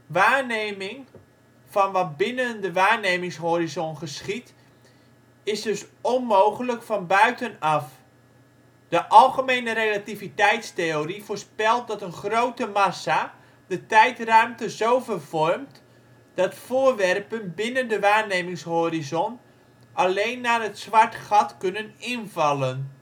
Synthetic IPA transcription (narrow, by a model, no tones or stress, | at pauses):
ʋaːrnejmɪŋ | fɔnʋɔt̚bɪnəndəʋaːrnejmɪŋsɦoːɾizɔnχəsχit | ɪsdɵsɔnmowχələkfɔnbœɥtənɑf | d̥əʔɑlˠɣəmejnərelativitɛjtstejorifoːrspɛlˠt̚dɔtənχrowtəmasa | dətɛjtrœɥmtəzowvərv̥ɔrmt | d̥ɑtfʊːrʋɛrpənbɪnəndəʋaːɹnejmɪŋshoːɾizɔn | ʔalejnːaːrətsʋɑɹtχɑtkɵnənɪnvɑlən